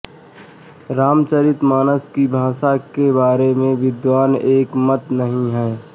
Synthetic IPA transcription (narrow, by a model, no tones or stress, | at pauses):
ɾaːmt͡ʃaːɾɪt̪maːnəskibʱaːʃakebaːɾemẽʋɪd̪ʋaːneːkmət̪nɐɦĩɦɛː